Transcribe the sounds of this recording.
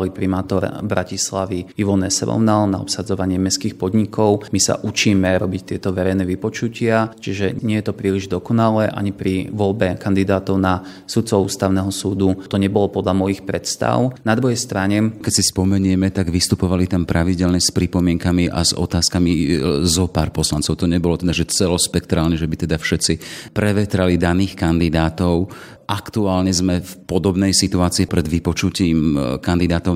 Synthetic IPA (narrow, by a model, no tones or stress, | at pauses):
lipɾimaːt̪ɔɾbɾacislaʋiiʋɔnɛsɛ̰ɾɔ̰ʊnalna̰ɔ̰psad͡zɔʋaɲɪɛmɛskiːxpɔd̪ɲikɔʊmisa̰ʔut͡ʃiːmɛɾɔbict̪ɪɛt̪ɔʋɛɾɛjnɛʋipɔt͡ʃucɪat͡ʃiʒɛɲɪɛjɛt̪ɔpɾiːliʒd̪ɔkɔnalɛʔa̰ɲipɾiʋɔlbɛkand̪id̪aːt̪ɔʊna | sut̪t͡sɔṵːst̪aʊnɛɦɔsuːd̪ut̪ɔɲɛbɔlɔpɔd̪lamɔjixpɾɛt̪st̪a̰ʊnad̪ɾuɦɛjst̪ɾaɲɛkɛcsispɔmɛɲɛmɛt̪aɡʋist̪upɔʋalit̪ampɾaʋiɟɛlɲɛspɾipɔmɪɛŋkamiʔa̰zɔ̰t̪aːskamizɔpaːɾpɔslant͡sɔʊt̪ɔɲɛbɔlɔt̪ɛd̪aʒɛt͡sɛlɔspɛkt̪ɾaːlɲɛʒɛbit̪ɛd̪afʃɛt̪t͡sipɾɛʋɛt̪ɾalid̪aniːxkand̪id̪aːt̪ɔʊ | ʔakt̪uaːlɲɛzmɛfpɔd̪ɔbnɛjsit̪uaːt͡siipɾɛd̪ʋipɔt͡ʃuciːmkand̪id̪aːt̪ɔʊ